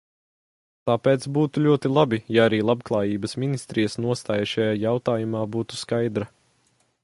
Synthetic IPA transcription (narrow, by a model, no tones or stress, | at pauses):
t̪aːpeːt̪sbuːt̪ulʲuɔt̪ilˠabijaaɾiːlˠabklˠaːjiːbɐsmʲinist̪ɾijəsnuɔst̪aːjaʃajaːjawt̪aːjumaːbuːt̪u̥skajd̪ɾɐ